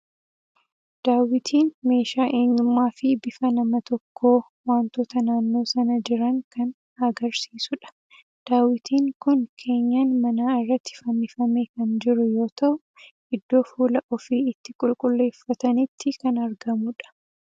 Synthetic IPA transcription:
d̪̥aːwɪt̪ʰiːnme̞ːʃaːʔe̞ːɲːʊmːaːfɪbɪfɐnɐmɐt̪ɔkʰːo̞ː | waːnt̪oːt̪ɐnaːnːo̞ːsɐnɐd͡ʒɪɾɐŋkɐn | ɐɡɐɾsiːsʊᶑɐ̥ | d̪̥aːwɪt̪iːŋkʊnkʰe̞ːɲːaːnmɐnaːɪrːɐt̪ːɪ̥fɐnːɪfɐmeːkɐnd͡ʒɪɾʊjo̞ːt̪ɐʔʊ | ʔɪd̪ːo̞ːfuːlɐʔɔfiːɪt̪ːɪkʼʊlkʼʊlːe̞ːfːɐt̪ɐnɪt̪ʰːɪkɐnɐɾɡɐmʊᶑɐ̥

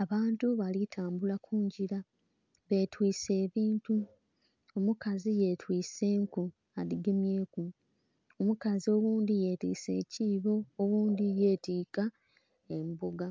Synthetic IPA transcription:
aβaːntuβalitʰaːmbulakʰuːɲɟila | βe̞twiːse̞ːβiːntu | omukazije̞twiːse̞ːŋku | aliɡemje̞ːku | omukazio̞ːɣuːndije̞tḭːse̞ːciːβo̞ːɣuːndije̞tiːka | emboɡa

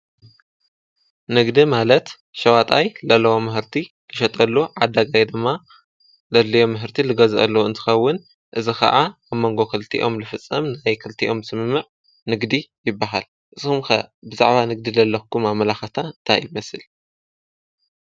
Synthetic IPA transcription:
nɨɡd̪imalɐt̪ | ʃɐwat̪ʼajlɐlːɐwomɨhɨɾt̪ʰi | kʰɨʃɐt̪ʼɐlːuʕad̪ːaɡajd̪ɨmːa | lɐlːijo̞mːɨɦɨɾt̪ʰilɨɡɐzʔɐ̰lːɐwɨnt̪ʰɨ̥xɐwːʊn | ʔɨzikʰɐ̰ʔaaβmːoŋɡo̞kʰɨlt̪ʰḭʔo̞mlɨfɨt͡sʼːɐmnajkʰɨlt̪ʰiʔo̞msɨmɨmːɨʕ | nɨɡd̪ijɪbːaɦa̰l | ʔɨzɨxumxɐ̰bɨza̰ʕβanɨɡ̚d̪ilɐlːɐkʰːumaβmɐlaxɐt̪ʰant̪ʰajɪmɐsɨl

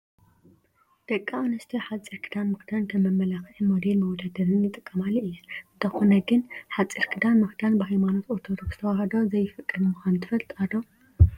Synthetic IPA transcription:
d̪̥ɐkʼːaanɐst̪ʰiħat͡sʼiɾkʰɨd̪anmɨxd̪ant̪ʰɐmɐmːɐlaxɨʕimod̪elmɐwɔd̪ad̪ɐɾɨnjɨt̪ʼɨkʼːɐmalɨjːɛɨnt̪ʰɐxonɐɡɨnħat͡sʼiɾkʰɨd̪anmɨxd̪anbɨhajmano̞t̪ot̪ʰod̪oksz̥ɨ̥t̪ʰɐwahɐd̪ozɐjɪfɨkʼːɨlmɨxʷant̪ʰɨfɐlt̪ʼad̪o

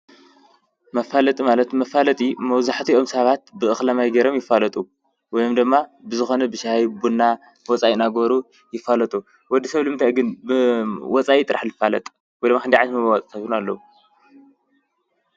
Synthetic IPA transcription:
mɐfalɐt̪ʼimalɐt̪mɐfalɐt̪ʼimɐwzaħt̪ʰiʔo̞msɐβat̪̚bɨʔɨxlɐmajɡɐɾomjɪfːalɐt̪ʼu | wɔjo̞md̪ɨmːabɨzɨxo̞nɐbɨʃhajbunːa | wɔt͡sʼajnaɡβɾu | jɪfːalɐt̪ʼu | wɔd̪ːisɐβlɨmɨnt̪ʰajɡɨnbɨwɔt͡sʼajit̪ʼɨɾaħlɨfalɐ̰t̪ʼ | wɔjd̪makʰɨnd̪iʕajt̪mɨwat͡sʼsʰɐβunalːɐ̰wu

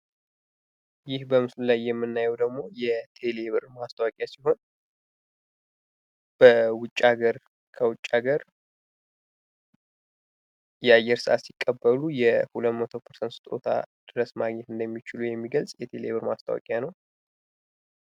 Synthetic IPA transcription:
jɪhbəmɨslulajːɛmːɨnːajɛwd̪əɡmo̞jɛt̪ʰe̞leβɨɾmast̪ʰəwakʼjasiɦo̞n | b̥əwʊt͡ʃʼːaɡəɾ | kʰəwʊt͡ʃʼːaɡəɾ | jɛajːɛɾsɨʔa̰t̪sikʼːəbːəlujɛhulət̪mət̪ʰo̞pʰəɾsənt̪st̪ʼo̞̰t̪ʰa̰d̪̥ɨɾəsmaɡɲɛt̪ɨnd̪əmːit͡ʃɪlujɛmːiɡəlsʼjɛt̪ʰe̞leβɨɾmast̪ʰə̰wa̰kʼjanəw

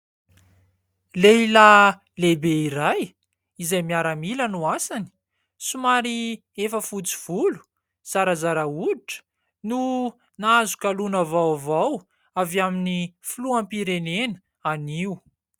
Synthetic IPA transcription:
leila | lebeiɾaj | izajmiaɾamilənuasani̥ | sumaɾi | efəfut͡si̥v̥ulu̥ | z̥aɾazaɾauiʈ͡ʂə̥ | nu | naazu̥kalunavawvaw | avjaminifuluampiɾenenə̥ | aniu

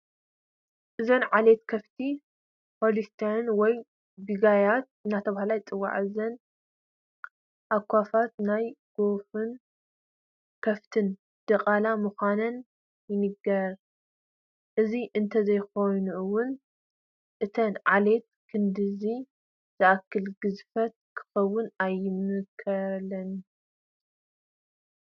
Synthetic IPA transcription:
ʔɨzɐnʕale̞t̪kʰɐft̪ʰi | pʰolist̪ʰanwɔj | biɡajat̪̚ɨnːat̪ʰɐβahalajt͡sʼɨwa̰ʕɨzɐn | ʔakʷʰːafat̪̚najɡ̥o̞fɨn | kʰɐft̪ʰɨn | d̪̥ɐqʼalamuxʷanɐn | jɪnɨɡɐɾ | ʔɨziʔɨnt̪ʰɐzɐjxo̞jnuʔɨwʊn | ʔɨt̪ʰɐnʕale̞t̪̚kʰɨnd̪ɨzi | z̥ɨʔakʰːɨlɡɨzfɐt̪̚kʰɨ̥xɐwːʊnajɪmɨkʰɐlɐn

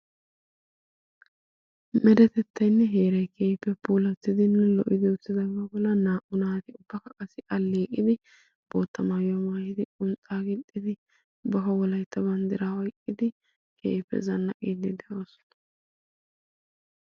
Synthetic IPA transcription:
mɛɾɛt̪ɛt̪ʰːɐjnːɛɦe̞ːɾɐjkʰe̞ːpːɛbuːlɐt̪ːɪd̪ɪnːɛlɔʔɪd̪ɪʊt͡sːɪd̪ɐbɐbɔlːɐnaːʔʊnaːt̪ɪʊbːɐkɐkʼɐsɪʔɐlːeːkʼːɪd̪ɪ | b̥o̞ːt̪ːɐmajɔmaːjɪd̪ɪkʼʊnt͡sʼaːɡɪltʼːɪd̪ɪ | bɐfɐwɔlɐjt̪ːɐbɐnd̪ɪɾaːwɔjkʼːɪd̪ɪ | kʰḛːpːɛ̰zɐnːɐkʼiːd̪ɪd̪ɛʔoːsɔ̥nɐ

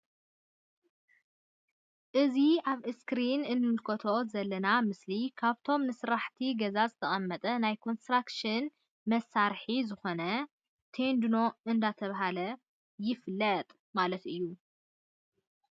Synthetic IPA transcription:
ʔɨziʔaβɨskɾinɨnːɨmɨlkʰɐt̪ʰo̞zɐlːɐnamɨslikʰaβt̪ʰo̞mnɨsɾaħt̪ʰiɡɐzazɨt̪ʰɐχʼɐmːɐt̪ʼɐnajkʰo̞nst̪ɾakʃɨn | mɐsːaɾħizɨxo̞nɐ | t̪ʰend̪ɨno̞ʔɨnd̪at̪ʰɐβaɦalɐ | jɪflɐt̪ʼ | malɐt̪ɨjːu

